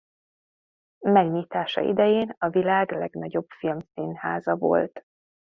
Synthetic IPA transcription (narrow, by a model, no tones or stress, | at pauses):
mɛɡɲiːt̪aːʃɒ̰ʔḭd̪ɛjeːnɒvilaːɡlɛɡnɒɟo̞bfilmsinhaːzɒvo̞̰lt̪